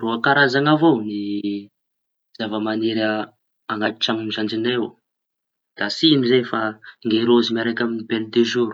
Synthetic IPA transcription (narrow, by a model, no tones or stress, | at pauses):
roakaɾazaŋavoni | z̥avəmaniɾa | aŋat̪i̥ʈ͡ʂaminizand͡ʒinew | d̪̥asinizefaŋɡeɾozimaɾakʲaminibelud̪eʒuɾu̥